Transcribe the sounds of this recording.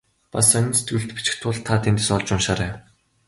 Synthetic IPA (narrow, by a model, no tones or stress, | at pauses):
pasœnʲnse̥t̪ɡuɮt̪pi̥t͡ɕɪ̥̆xt̪ʰʊɮt̪ʰːat̪ʰent̪ĕsɔɮt͡ɕʊnʃaːɾæː